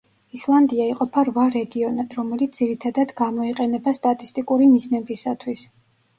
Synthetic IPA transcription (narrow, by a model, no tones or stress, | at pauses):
islˠand̪iaiqʼɔpʰaɾvaɾɛɡiɔnad̪ɾɔmɛlit̪sd̪z̥iɾit̪ʰad̪ad̪ɡamɔiqʼɛnɛbast̪ʼat̪ʼist̪ʼikʼuɾimiznɛbisat̪ʰwis